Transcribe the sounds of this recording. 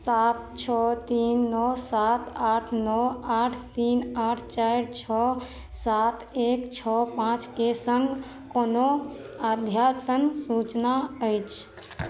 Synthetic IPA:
sat̪̚t͡ʃʰɔt̪inːɔsat̪aʈʰnɔaʈʰt̪inaʈʰt͡ʃajɾt͡ʃʰɔ | sat̪ʰekt͡ʃʰɔpãt͡ʃkesə̃ŋɡʱ | kono | ad̪ʱjat̪ənsut͡ʃnaəjt͡ʃʰ

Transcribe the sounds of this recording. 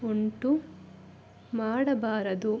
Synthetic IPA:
uɳʈu | maːɽɐbaːɾɐd̪u

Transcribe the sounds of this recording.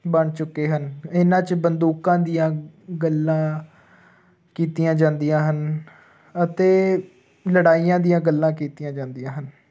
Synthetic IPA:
bəɳt͡ʃʊkːeːɦənɪnãːt͡ʃbənd̪uːkãːd̪ijãːɡəlːãː | kiːt̪ijãːd͡ʒãːnd̪ijãːɦən | ət̪eː | ləɽaːiːãːd̪ijãːɡəlːãːkiːt̪ijãːd͡ʒãːnd̪ijãːɦən

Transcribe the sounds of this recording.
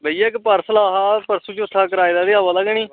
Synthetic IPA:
bəiakpəɾsəlaːɦaːpəɾsuːt͡ʃʊt̪ʰːaːkəɾaːjd̪aːd̪eːaːʋaːlaɡniː

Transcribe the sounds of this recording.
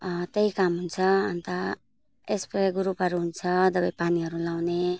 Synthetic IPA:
t̪eɦikamɦunt͡sʰʌʌ̰nt̪a | espeɡuɾupɦʌɾuɦunt͡sʰʌd̪ʌbajpaniɦʌɾulawne

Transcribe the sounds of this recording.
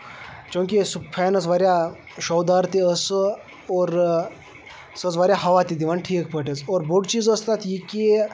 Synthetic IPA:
t͡ʃõŋkʲisupʰɛnət͡sʋaɾja | ʃowd̪aɾt̪iəs | oɾ | sət͡sʋaɾʲjaɦɐʋat̪id̪iʋanʈʰiːkpəʈet͡soɾboɖt͡ʃiːd͡zəst̪at̪jike

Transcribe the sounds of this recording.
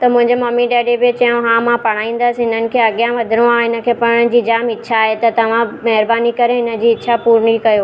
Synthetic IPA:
t̪ɐmʊ̃ɦɪ̃ɲd͡ʑemɐmiɖeːɖebt͡ɕɐjõɦãmãpɐɽ̃aːĩːn̆d̪əsɦɪn̤ənɪ̆kʰeːɐɡjãʋɐd̪ʱɪɾ̃õãːɪnə̆kʰeːpɐɽ̃ə̆d͡ʑiːd͡ʑaːmɪtːɕʰaːɦet̪ɐt̪ɐʋ̤ãmɐɦɪɾbaːnikɐɾeɦɪnə̆d͡ʑiːɪːʃʰapuːɾɳ̃ikɐjo

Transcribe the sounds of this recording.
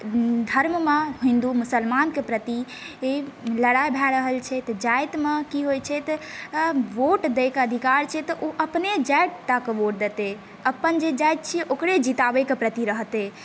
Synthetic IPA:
d̪ʱəɾmmeɦĩnd̪umusəlmankepɾət̪i | eləɽajbʱɛɾəɦəlt͡ʃʰɛt̪d͡ʒajt̪mekiɦojt͡ʃʰɛt̪ə | ʋoʈd̪ekeəd̪ʱikaɾt͡ʃʰɛt̪ɔʔoʔəpned͡ʒajʈt̪akeʋoʈ̚d̪et̪e | əpənd͡ʒed͡ʒajt̪̚t͡ʃʰiʔokɾed͡ʒit̪abekepɾət̪iɾəɦt̪e

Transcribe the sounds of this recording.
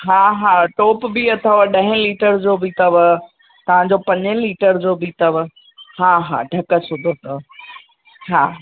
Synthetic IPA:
ɦaːɦaːʈɔːpbiɐt̪ʰəʋɗɐ̃ɦɪ̃liːʈəɾd͡ʑoːbit̪ɐʋ | t̪ɐʋ̤ãd͡ʑopɐ̃ɲliːʈəɾd͡ʑoːbit̪ɐʋ | ɦaːɦa̰ːɖʱɐkə̆sʊd̪ʱot̪ɐʋ | ɦaː

